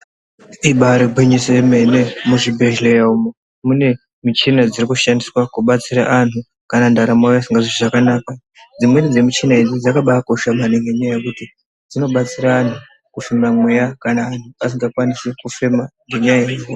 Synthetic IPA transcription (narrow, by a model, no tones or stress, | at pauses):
iɓaɾeɡʱweɲiseme̞nemuʐibʱeʒlejaumo | mune̞ | mit͡ʃinad͡zirikuʃandiswakuɓat͡siɾaʔan̤u | kanandaɾamwajasiŋɡaʐiiʐakanaka | d͡zimwe̞nid͡ze̞mit͡ʃinaid͡zid͡zakaɓaːko̞ʃamaneŋɡeɲejakuti | d͡zino̞ɓat͡siɾaːn̤ʰu | kufemamwe̞jakanaːn̤uas̬iŋɡakwanisekufemaŋɡeɲajeko